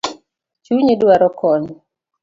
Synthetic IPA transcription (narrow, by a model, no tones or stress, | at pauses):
t͡ʃuɲedwaɾɔkɔɲ